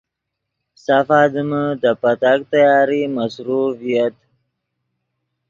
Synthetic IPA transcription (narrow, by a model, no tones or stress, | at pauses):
safaːd̪əməd̪əpat̪ak̚t̪ajɑːɾimasɾuvijat̪